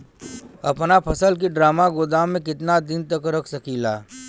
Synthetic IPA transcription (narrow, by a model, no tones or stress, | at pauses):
ɐpnapʰɐsəlk̬iɖɾaːmaɡʊd̪amẽkɪt̪nad̪ɪnt̪əkɾɐkʰsɐkʰiːlaː